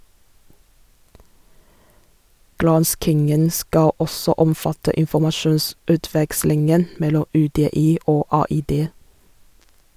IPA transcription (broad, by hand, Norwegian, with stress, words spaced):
ˈɡɾɑnskɪŋən ˈskɑ ˈɔsɔ ˈɔmˌfɑtə ɪnfɔmɑˈʃuːnsʉːˌtʋɛkslɪŋən ˈmɛlɔ ˌʉːˌdeːˈiː ˈoː ˌɑːˌiːˈdeː